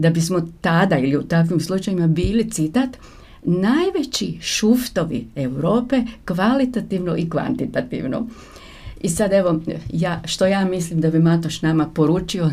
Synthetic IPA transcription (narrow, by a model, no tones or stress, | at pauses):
d̪abismo̞t̪ad̪ailiut̪akʋimslˠut͡ʃajimabiːlit̪sit̪at̪ | najʋe̞t͡ɕiʃuft̪o̞ʋḭewɾo̞ːpe̞kʋalit̪at̪iʋnoʔikʋa̰nt̪it̪at̪ḭʋno̰ | isad̪e̞ʋo̞jaːʃt̪o̞jaːmislimd̪abimat̪oʃnamapo̞ɾuːt͡ʃio